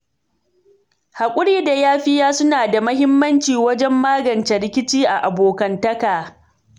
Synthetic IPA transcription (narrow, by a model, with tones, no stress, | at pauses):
ha˨kʷʼʊ˦ɽiː˦da˨jaː˦ɸɪ˦jaː˦sʊ˦naː˨da˨mɐ˦ɦɪ˦mːɐ˦nt͡ʃiː˨wɐ˦d͡ʒɛ˦mːaː˦ɡɐ˨nt͡ʃɛ˨ɽɪ˦kʲɪ˦t͡ʃiː˦ʔa˨ʔa˨boː˨kɐ˨ntɐ˦kaː˨